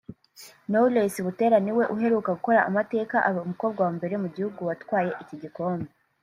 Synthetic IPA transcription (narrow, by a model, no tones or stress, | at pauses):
nolesiβute̞ːɾaniwe̞ʔuɦe̞ɾuːkaɡuko̞ɾa̰ːmate̞ːkaʔaβaumukoːbɡwawaːmbe̞ɾe̞muɟihuɡuwatwaːje̞ʔiciɟiko̞ːmbe